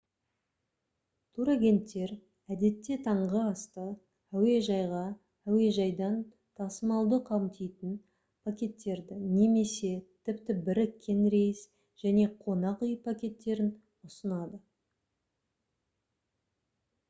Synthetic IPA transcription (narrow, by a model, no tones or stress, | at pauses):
t̪ʰuɾaɡʲe̞nt̪ːe̞ɾ | æd̪e̞t̪ːe̞t̪ʰɑɴʁəɑst̪ə | æwe̞ʒɑjʁɑ | æwe̞ʒɑjd̪ɑn | t̪ʰɑsəmɑlˠd̪əqʰɑwmt̪ejt̪ɪn | pʰakʲe̞t̪ːe̞ɾd̪ɪne̞me̞se̞t̪ʰɪpt̪ɪbɪɾɪkʲʰːe̞nɾe̞jɪs | ʒ̥æne̞qʰo̞nɑqʏjpʰakʲe̞t̪ːe̞ɾɪn | ʊsənɑd̪ə